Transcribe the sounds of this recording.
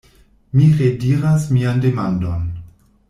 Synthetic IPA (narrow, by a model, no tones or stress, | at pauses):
miʁediɾasmiandemandon